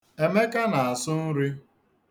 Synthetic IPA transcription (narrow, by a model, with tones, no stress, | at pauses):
e˦me˦ka˦na˨a˨sʊ˦n̩˦ɾi˦